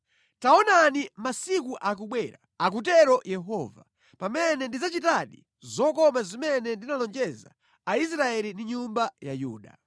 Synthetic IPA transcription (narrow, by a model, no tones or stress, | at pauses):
taɔnanimasikuʔak̬uɓwɛɾa̰ | ak̬ut̬ɛɾɔjɛɦɔːva̰ | pamɛnɛndizat͡ʃitaɗḭ | zɔkɔmazimɛnɛndinalɔnd͡ʒɛza̰ | ais̬ɾaɛlindiɲumbajajṵːɗa̰